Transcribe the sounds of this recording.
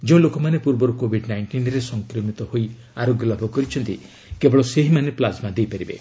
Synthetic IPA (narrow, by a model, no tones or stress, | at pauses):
d͡ʒeũlokɔmanepuɾbɔɾukobʱiɖnajɳʈinɾesɔŋkɾɔmit̪ɔhoi | aɾoɡjɔlabʱɔkɔɾit͡ʃʰɔnt̪i | kebɔɭɔseɦimaneplad͡ʒmad̪ejpaɾibḛ